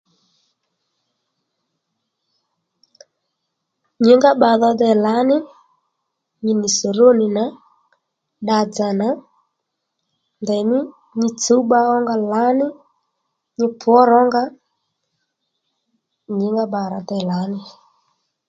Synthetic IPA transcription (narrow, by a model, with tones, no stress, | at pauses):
ɲɪ˨˦ŋɡa˦ɓa˨ðɔ˧dɛ˨la˨˦nɪ˦ | ɲɪ˦ni˨so˨ɾo˦nɪ˨na˨˦ | ɗa˨d͡za˨na˨˦ | ndɛ˨mɪ˦ | ɲɪ˦t͡su˦ɓa˦ɔ˦ŋɡa˧la˨˦nɪ˦ | ɲɪ˦pʰʊ˨ɔ˦ɾɔ˦ŋɡa˦ | ɲɪ˨˦ŋɡa˦ɓa˨ɾa˨dɛ˨la˨˦nɪ˦